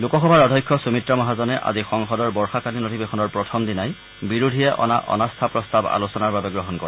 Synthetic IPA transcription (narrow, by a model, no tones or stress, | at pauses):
lukɔxɔbʱaɹɔdʱɔjkʰːɔsumitɹamɔɦazɔnɛʔa̰zixɔŋxɔdɔɹbɔɹxakaninotibexʰɔnɔɹpɹɔtʰɔmdinaj | biɹudʱijɛʔɔ̰na̰ʔɔ̰nast̪ʰapɹɔst̪aba̰losɔnaɹbabɛɡɹɔɦɔnkɔɹɛ